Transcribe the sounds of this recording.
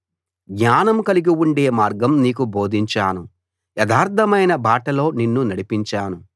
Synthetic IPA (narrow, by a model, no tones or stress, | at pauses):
ɡɲaːnɐmkɐliɡiwuɳɖe̞ːmaːɾɡɐmniːk̬ubo̞ːd̪ʱiɲt͡ʃaːnu | jɛd̪aːɾt̪ʰɐmɐjnɐbʱaːʈɐlo̞ːninːunɐɽipiɲt͡ʃaːnu